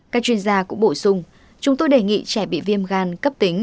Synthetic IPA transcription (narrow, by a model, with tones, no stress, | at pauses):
kaː˦˥k̚t͡ɕwi˧ənzaː˧kʊ̰˧˥ŋ͡mɓo˧˩sʊ˧ŋ͡m | t͡ɕʊ˨˦ŋ͡mt̪o˧jɗe˧˩ŋḭ˧˨t͡ɕaː˧˩ɓḭ˧˨vi˧əmɣaː˧nkə˦˥p̚t̪i˨˦ŋ̟